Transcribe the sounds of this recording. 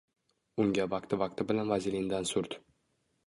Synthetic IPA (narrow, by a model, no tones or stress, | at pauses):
ʊŋɡʲavɑq̚t̪ɪvɑq̚t̪ɪbɪlanvazilind̪ansʊɾt̪